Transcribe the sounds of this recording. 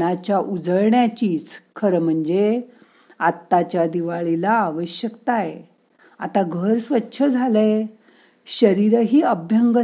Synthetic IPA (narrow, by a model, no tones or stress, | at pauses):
at͡ɕjaʔud͡zəɭɳjat͡ɕiːt͡skʰəɾəm̤əɳd͡ze | at̪ːat͡ɕjad̪iʋaɭilaːʋəɕjəkt̪aje | a̰t̪aɡʱəɾsʋətːɕʰəd͡zʱale | ɕəɾiɾəɦiːəbʱjəŋɡə